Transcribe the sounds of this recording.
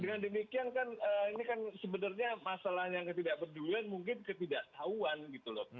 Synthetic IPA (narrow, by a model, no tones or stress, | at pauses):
dəŋandəmikiankanəinikansəbənərɲamasalahnjaŋkət̪idaʔ̚bərduluanmuŋk̬ɪnkət̪idaʔt̪auanɡit̪ulɔ